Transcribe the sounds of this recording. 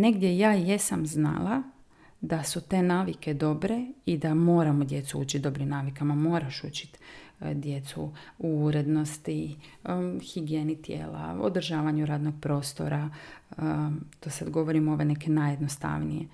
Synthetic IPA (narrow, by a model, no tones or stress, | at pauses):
ne̞ɡd̪je̞jaːje̞samzna̰la | d̪asut̪e̞ːnaːʋike̞d̪o̞bɾe̞id̪amo̞ːɾamod̪je̞t̪suuːt͡ʃit̪d̪o̞bɾimnaːʋikamamo̞ːɾaʃṵːt͡ɕi̥t̪d̪je̞t̪sṵuuɾe̞d̪no̞st̪i | xiɡieːnit̪je̞̰ːla̰o̰d̪r̩ʒaːʋaɲuɾaːd̪no̞ɡ̥̚pɾo̞ːst̪o̞̰ɾa | t̪osad̪ɡo̞ʋo̞ɾimo̞ʋene̞kenajed̪nost̪a̰ʋnḭjḛ